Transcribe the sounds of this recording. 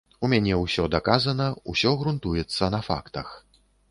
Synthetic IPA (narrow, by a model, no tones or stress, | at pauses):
umʲanʲɛwsʲɔd̪akazɐnɐusʲɔɣɾunt̪ujɛt̪sːɐnɐfa̰kt̪ɐx